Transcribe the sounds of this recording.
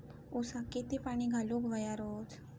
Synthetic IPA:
osaket̪epaɽ̃iɡʱalukʋəjaɾot̪

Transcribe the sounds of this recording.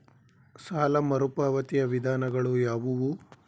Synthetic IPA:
saːlɐmɐɾupaːʋɐt̪ijɐʋid̪ʱaːnɐɡɐɭujaːʋuʋu

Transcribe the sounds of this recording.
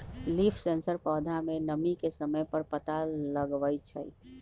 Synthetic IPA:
lipʰsensəɾpɔːd̪ʱamenəmikesəməjpəɾpət̪aləɡʋəjt͡ʃʰə̰

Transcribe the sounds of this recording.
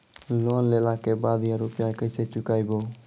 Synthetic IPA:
loːnleːlaːkeːbaːd̪ʱjãːɾuːpɪjãːkəɪseːt͡ʃʊkaːiːboː

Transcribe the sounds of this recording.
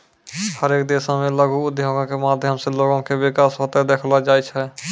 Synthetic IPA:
həɾeːk̚d̪eːsãmẽləɡʱuʊd̪ʱjəɡõkemaːd̪ʱjəmseloːɡõkeʋɪkaːsɦot̪ed̪eːkʰlad͡ʒaːet͡ʃʰɛ

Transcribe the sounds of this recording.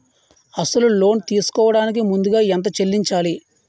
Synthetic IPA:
ɐsɐlulo̞ːnt̪iːsu̥kɔːʋɐɽaːnik̬imund̪uɡaːɛnt̪̬ɐt͡ʃelːiɲt͡ʃaːli

